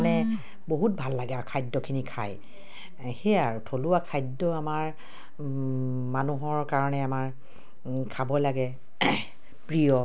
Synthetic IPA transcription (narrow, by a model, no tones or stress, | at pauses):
nɛ | boɦut̚bʱalːaɡɛaɹkʰajdːɔkʰinikʰaj | xejaɹutʰoluwakʰajdːɔamaɹ | manuɦɔɹkaɹɔnɛamaɹ | kʰabɔlaɡɛ | pɹijɔ